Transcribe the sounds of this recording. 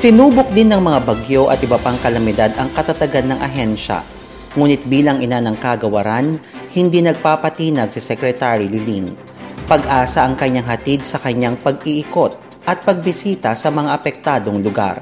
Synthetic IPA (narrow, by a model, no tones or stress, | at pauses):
sɪnuːbok̚d̪ɪnːɐŋmɐŋabɐɡjo̞ʔɐ̰t̪̚ʔɪbɐpaŋkɐlɐmɪd̪ad̪ɐŋkɐt̪ɐt̪ɐɡanːɐŋʔɐɦɛnʃɐ̰ | ŋuːnɪt̪̚biːlɐŋʔɪnanɐŋkaɡɐwɐɾan | hɪnd̪iːnɐɡ̚paːpɐt̪iːnɐɡsɪsɛkɾɛt̪aɾilɪlin | pɐɡʔaːsɐʔɐŋkɐɲːaŋɦɐt̪id̪̚sɐkɐɲaŋpɐɡ̚iʔɪko̞t̪̚ | ʔɐt̪̚pɐɡ̚bɪsiːt̪ɐsɐmɐŋaʔɐpɛk̚t̪aːd̪o̞ŋlʊɡa̰ɾ